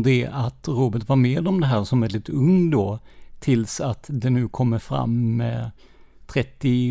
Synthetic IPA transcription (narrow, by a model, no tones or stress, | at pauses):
d̪ɛʔat̪ɾoːbəʈvaɾmeːd̪ɔmd̪ɛɦæːɾʂɔmvɛld̪ɪt̪ɵŋːd̪ot̪ʰɪlsat̪d̪ɛnʉ̟ːkʰɔmːəɾfɾa̰mːɛ̰ | t̪ʰɾɛt̪ːɪ